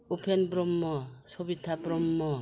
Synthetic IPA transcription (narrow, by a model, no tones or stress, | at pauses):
upʰenbɾɔmːɔsɔbitʰːabɾɔmːɔ